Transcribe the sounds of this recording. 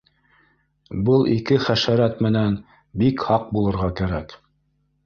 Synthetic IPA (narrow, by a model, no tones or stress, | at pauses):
bɤlˠʔḭkɘχæʃæɾæt̪mɘ̆næn | bikhɑq̚bulˠɤ̆ɾʁɑkæɾæk